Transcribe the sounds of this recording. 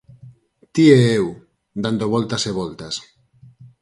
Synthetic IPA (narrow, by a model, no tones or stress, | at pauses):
t̪ieew | d̪and̪oβolt̪aseβolt̪as